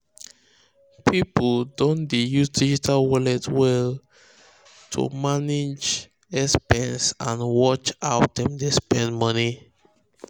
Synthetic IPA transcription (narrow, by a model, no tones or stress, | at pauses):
pʰipl̩dõndejusdid͡ʒitʰalwɔlɛtwɛl | tʰṵmanid͡ʒ | ɛspɛ̃nsãnwɔt͡ʃaʊt̚dɛ̃mdespɛ̃ndmɔni